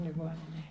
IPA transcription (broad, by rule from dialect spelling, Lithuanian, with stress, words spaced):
lʲɪˈɡoːnʲɪnʲeːj